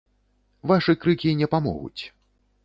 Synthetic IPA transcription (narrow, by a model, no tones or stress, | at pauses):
vaʂɨkɾɨkʲinʲɛpamɔ̰ɣṵt͡sʲ